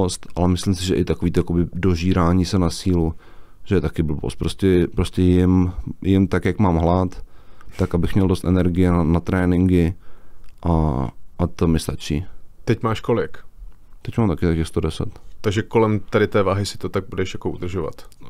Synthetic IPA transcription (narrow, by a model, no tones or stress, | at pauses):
ost̪ʔalɛmɪslɪmsɪʒɛʔɪt̪akoviːt̪ojakobɪdo̞ʒiːɾaːɲiːsɛnasiːlu | ʒ̥ɛjɛt̪akɪbl̩bo̰st̪pɾo̞scɛpɾo̞scʲɛjɪmjɪmt̪akjakmaːmɦlat̪ːakʔabɪxmɲɛldo̞st̪ʔɛnɛɾɡɪjɛnanat̪ɾɛːnɪŋɡɪ | ʔaʔat̪omɪst̪at͡ʃiːt̪ɛcmaːʃkolɪkt̪ɛcmaːmt̪akɪt̪akɪxst̪odɛsɛ̰t̪t̪aɡʒɛkolɛmt̪aɾɪt̪ɛːvaːɦɪsɪ̥t̪ot̪aɡ̚budɛʃjakoʔud̪r̩ʒova̰t̪